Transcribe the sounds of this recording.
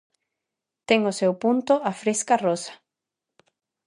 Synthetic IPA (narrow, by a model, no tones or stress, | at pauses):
t̪eŋosewpũnt̪oʔafɾeskarosḁ